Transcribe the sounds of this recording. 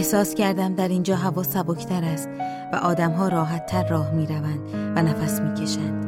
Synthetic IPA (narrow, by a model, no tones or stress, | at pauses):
ehsɒːscʰæɾd̪æmd̪æɾind͡ʒɒːɦævɒːsæbocʰt̪ʰæɾæst̪ | væ̰ʔɒːd̪æmɦɒːɾɒːɦæt̪ʰːæɾːɒːhmiːɾævænd̪̥vænæfæsmiːcʰe̞ʃænd̪̥